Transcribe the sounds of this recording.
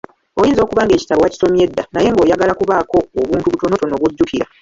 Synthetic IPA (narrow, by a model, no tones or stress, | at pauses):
o̞jiːnzo̞ːkuβaːŋɡe̞ːci̥taβowaci̥so̞mje̞dːanaje̞ŋɡo̞ːjaɡalakuβaːko̞ːβuːntuβuto̞no̞to̞no̞ɡuɟːukiɾa